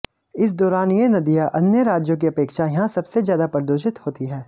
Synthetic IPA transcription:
ɪs̬d̪ɔːɾaːnjenɐd̪ijaʔɐnjəɾaːd͡ʒjõk̬iɐpeːkʃajɐɦãsɐbsezjaːd̪apɐɾd̪oːʃɪt̪hoːt̪iɦɛː

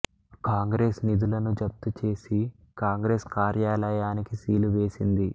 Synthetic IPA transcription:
kaːŋɡɾe̞ːsnid̪ulɐnud͡ʒɐp̚t̪ut͡ʃe̞ːsi | kaːŋɡɾe̞ːskaːɾjaːlɐjaːnikisiːluʋe̞ːsind̪i

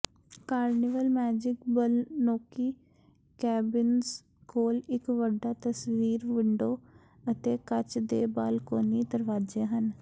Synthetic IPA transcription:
kaːɾnɪʋəlmɛːd͡ʒɪkbəlnoːkiː | kɛːbɪnz | koːlɪkʋəɖaːt̪əsʋiːɾʋɪɳɖoː | ət̪eːkət͡ʃd̪eːba̰ːlkoːniːd̪əɾʋaːd͡ʒeːɦən

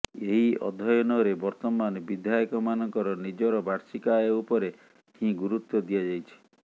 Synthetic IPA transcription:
eɦiɔ̰d̪ʱɔjɔnɔɾebɔɾt̪ɔmanɔbid̪ʱajɔkɔmanɔŋkɔɾɔnid͡ʒɔɾɔbaɽsikaeupɔɾe | ĩɡuɾut̪wɔd̪ijad͡ʒajt͡ʃʰi̥

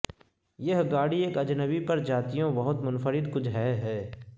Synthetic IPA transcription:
jɐɦɡaːɽieːkɐd͡ʒnəwipɐɾd͡ʒaːt̪ijõbɐɦʊt̪mʊnfəɾɪd̪kʊt͡ʃʰɦɛːɦɛː

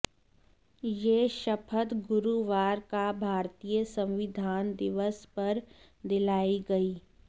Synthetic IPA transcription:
jeːʃɐpʰət̪ɡʊɾuʋaːɾkabʱaːɾt̪ijəsɐ̃wʋɪd̪ʱaːnd̪ɪʋəspɐɾ | d̪ɪlaːiɡɐiː

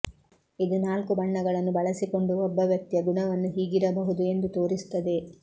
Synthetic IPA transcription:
id̪unaːlkubɐɳːɐɡɐɭɐnːubɐɭɐsiko̞ɳɖuɔbːɐʋjɐk̚t̪jɐɡuɳɐʋɐnːuɦiːɡiɾɐbɐɦud̪ue̞nd̪ut̪oːɾisu̥t̪ːɐd̪e̞

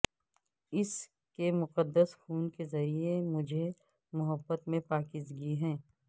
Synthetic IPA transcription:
ɪs | kemʊqəd̪ːəsxuːnkezɐɾiemʊd͡ʒʱe | mʊɦəbːət̪mẽpaːkɪzɡiɦɛ̃ː

